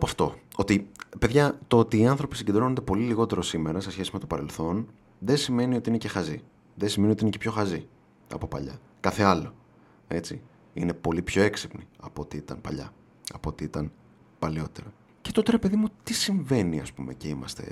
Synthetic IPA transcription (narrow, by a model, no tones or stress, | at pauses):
ɐpɐft̪o̞o̞t̪ipe̞ðʝɐt̪oot̪iːɐnθɾo̞pisiɲɟe̞d̪ɾo̞nnd̪e̞po̞liliɣo̞t̪e̞ɾo̞simeɾɐse̞sçe̞sime̞t̪o̞pɐɾe̞lθo̞n | ðensime̞nio̞t̪iine̞ce̞xɐzi | ðesime̞niot̪inecepço̞xɐzi | ɐ̰po̞pɐ̰ʎɐ̰ | kɐθe̞ɐlo̞ | e̞t͡si | ine̞po̞lipço̞e̞ksipniɐpot̪iit̪ɐ̰npɐ̰ʎɐ̰ | ɐpot̪iit̪ɐn | pɐlio̞t̪e̞ɾɐ | ce̞t̪ot̪e̞ɾe̞pe̞ðimut̪isiɱve̞niɐ̰spume̞̰ce̞imɐ̰st̪e̞̰